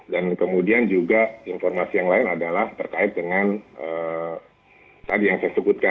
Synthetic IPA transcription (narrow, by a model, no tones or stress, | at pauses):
dankəmudiand͡ʒuɡainformasijaŋlaɪnadalaht̪ərkaɪt̪̚dəŋanʔə | satjaŋsajasəɡut̪̚ka